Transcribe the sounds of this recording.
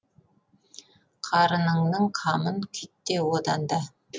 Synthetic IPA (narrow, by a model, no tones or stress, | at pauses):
qʰɑɾənəɴnəɴqʰɑmənkʲʰʏt̪ːewod̪ɑnd̪ɑ